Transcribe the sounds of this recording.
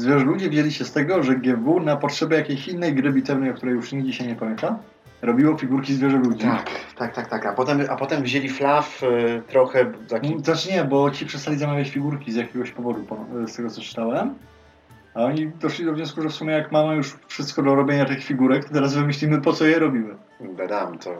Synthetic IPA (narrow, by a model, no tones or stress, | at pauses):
zvʲjɛʐɛlud͡ʑivʲʑelʲiɕɛst̪ɛɡɔʐɛɡʲjɛvunapɔtʂɛbʲɛjakʲejɕinːɛjɡɾɘbʲit̪ɛvnɛjɔkt̪uɾɛjuʂɲiɡd͡ʑiɕajɲɛpamʲjɛnt̪a | ɾɔbʲiwɔfʲiɡuɾkʲizvʲjɛʐɛlud͡ʑ̪ia̰kt̪ak̚t̪akt̪akapɔt̪ɛmapɔt̪ɛmvʑelʲiflaft̪ɾɔxɛt̪akzaʈ͡ʂɲɛbɔt͡ɕipʂɛst̪alʲizamavʲjat͡ɕfʲiɡuɾkʲizjakʲeɡɔɕpɔvɔd̪upɔst̪ɛɡɔt̪sɔt͡ʂɘ̥t̪awɛm | aɔɲid̪ɔʂlʲid̪ɔvɲɔ̃wskuʐɛfsumʲɛjakmamjuʂfʂɘst̪kɔd̪laɾɔbʲjeɲat̪ɘxfʲiɡuɾɛk̚t̪ɔt̪ɛɾazvɘmɘɕʲlʲimɘpɔt̪sɔjɛɾɔbʲimɘ | ɡad̪amt̪ɔ